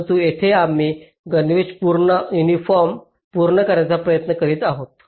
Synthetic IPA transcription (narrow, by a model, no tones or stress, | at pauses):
t̪uːet̪ʰeamːiː | ɡənʋeɕpuɾɳəjunifɔɾm | puɾɳəkəɾjat͡sapɾəjət̪nəkəɾiːt̪aɦot̪